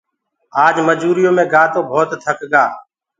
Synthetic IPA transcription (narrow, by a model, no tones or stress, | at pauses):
aːd͡ʒməd͡ʒuːɾɪjõːmẽːɡaːt̪õːbʱoːt̪t̪ʰəkɡaː